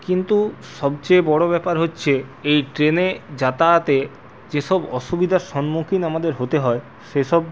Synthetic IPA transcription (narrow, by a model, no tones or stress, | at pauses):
kint̪uʃɔb̚t͡ɕebɔɽobɛpaɾɦotːɕʰeejʈɾened͡ʑat̪at̪e | d͡ʑeʃɔbɔʃubid̪ʱaɾʃɔnmukʰinamad̪eɾɦot̪eɦɔe | ʃeʃɔb̚